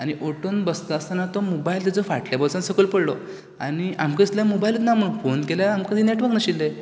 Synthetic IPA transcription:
añiʔoʈonbəst̪əəst̪anat̪ɔmobailt̪̬at͡sɔfaʈljabɔlsansəkəlpəɽlɔ | a̰ñia̰mkəit̪ljamobailət̪nam̤əɽufonkeljaamkad̪ʱineʈʋəɾknəɕilːəj

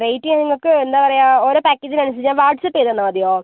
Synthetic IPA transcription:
rejtːiŋɐniŋːɐɭkɨend̪aːpɐrɐjaːoɾoːpaːkːeːd͡ʑinɐnɐs̬it͡ɕːaːʋaːʈsɐpːet̪ːenːɐmɐd̪ijoː

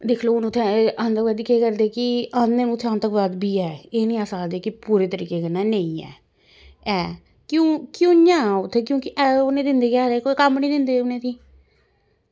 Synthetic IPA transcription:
d̪ekʰloːñːt̪ʰeant̪əkʋaːd̪iːkeːkəɾd̪eːkɪand̪eːnũːt̪ʰːeãnt̪əkʋaːd̪biːɛːeːniːaːsaːd̪eːkɪpuːɾeːt̪əɾḭːkeːkənːaːnəĩːɛ̰ː | ɛː | kjõːkjõːɲãːʊt̪ʰːeːkjõːkɪʔɛːʊnẽːd̪ɪnd̪eːkaːɾeːkoːikəmnĩːd̪ɪnd̪eːʊnẽːt̪iː

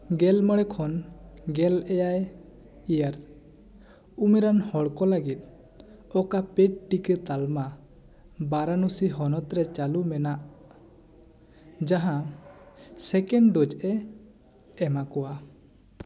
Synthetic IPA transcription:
ɡɛlməɽɛkʰɔnɡɛlɛjaj | ijaɾ | umiɾanhɔɽkɔlaɡit̪̚ | ɔkapɛʈ̚ʈikət̪alma | baɾanusiɦɔnɔt̪ɾɛt͡ʃalumɛnaʔ | d͡ʒaɦã | sɛkɛɳɖɖɔd͡ʒʔɛ | ɛmakɔwa

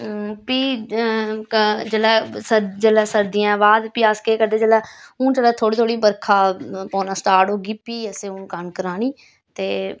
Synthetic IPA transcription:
piː | d͡ʒəlɛːsəd͡ʒəlɛːsəɾd̪iːãːʋaːd̪piaːskeːkəɾd̪eːd͡ʒəlɛːũːd͡ʒəlɛːt̪ʰoːɽiːt̪ʰoːɽiːbəɾkʰaːpɔ̃ːnaːsʈaːɾʈoːɡiːpiːəseːũːkankəɾaːniː | t̪eː

